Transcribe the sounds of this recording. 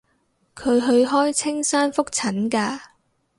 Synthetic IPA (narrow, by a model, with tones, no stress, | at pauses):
kʰɵ˨˧ɥɦɵ˧ɥɦɔː˥jt͡sʰɪ˥ŋsaː˥nfʊ˥k̚t͡sʰɐ˨˥nkaː˧